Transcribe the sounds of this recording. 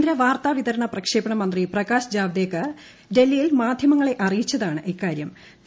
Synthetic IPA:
d̪ɾɐʋaːrt̪aːʋit̪ɐɾɐɳɐprɐkʂeːbɐɳɐmɐnd̪riprɐɣaːɕd͡ʑaːʋd̪eːkːɐ | ɖe̞lːijilmaːd̪ʱjɐmɐŋːɐɭe̞ʔɐrijit͡ɕːɐðaːɳɨʔikːaːɾjɐm

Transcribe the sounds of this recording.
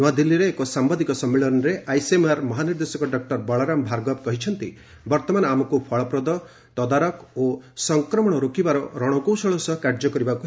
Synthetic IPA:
nwad̪ilːiɾeːkɔsambɔd̪ikɔsɔmːeɭɔnɔɾeʔajsemaɾmɔɦaniɾd̪esɔkɔɖɔk̚ʈɔɾbɔɭɔɾambʱaɾɡɔbkɔɦit͡ʃʰɔnt̪i | bɔɾt̪ɔmanamɔkupʰɔɭɔpɾɔd̪ɔ | t̪ɔd̪aɾɔkosɔŋkɾɔmɔɽ̃ɔɾokibaɾɔɾɔɽ̃ɔkowsɔɭɔsɔkaɾd͡ʒɔkɔɾibaku

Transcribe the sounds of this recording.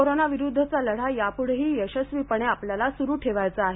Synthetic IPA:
oɾonaʋiɾud̪ʱːət͡saləɽ̤ajapuɽɦiːjəɕəsʋipəɳ̃eapljalasuɾuːʈʰeʋajt͡saaɦe

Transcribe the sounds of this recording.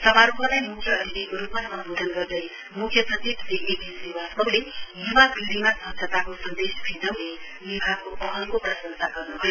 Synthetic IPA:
sʌbaɾupʰʌlajmukʰjʌʌɾilerupmaʌnubʱod̪ʱʌnɡʌrd̪ʌj | mukʰjʌsʰʌtibʱt̪eʔekisiwasʌlejubabiɾimasʌɦt͡sʰʌt̪akosʌnd̪esbʰʱid̪ʌwne | wibʱakoʔʌɦʌŋkoprʌsʌnsaɡʌrnuɦʌjo

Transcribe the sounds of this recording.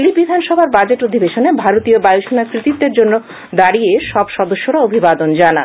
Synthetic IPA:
libid̪ʱanʃɔbʱaɾbad͡ʑeʈod̪ʱibeʃonebʱaɾot̪ijobajoʃonakɾit̪it̪ːeɾd͡ʑonːo | d̪aɾieʃɔbʃɔd̪oʃːoɾaobʱibad̪ond͡ʑana̰n

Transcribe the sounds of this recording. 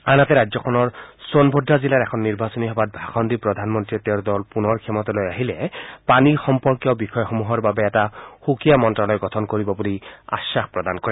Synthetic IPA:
anatɛɹazɔkʰɔnɔɹsonbʱɔdʱːazilaɹɛkʰɔnːiɹbasɔniɦɔbat̚bʱaxɔndipɹɔd̪ʱanmɔntɹiɛt̪eʊɹdɔlpunɔɹkʰɛmɔt̪alojaɦilɛpanixɔmpɔɹkijɔbixɔjɔxomuɦɔɹbabɛːtaxukijamɔntɹalɔjɡɔtʰɔnkoɹibɔbulia̰sːaxpɹɔd̪ankɔɹɛ

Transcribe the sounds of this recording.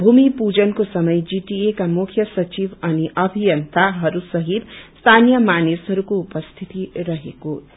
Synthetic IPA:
bʱumipud͡zʌnkosʌmʌjd͡ziʈiekamukʰjʌsʌt͡sibʌniʔʌbʱijʌnt̪aɦʌɾusʌɦit̪st̪ʰanijʌmanesɦʌɾukoupʌst̪ʰit̪iɾʌɦeko

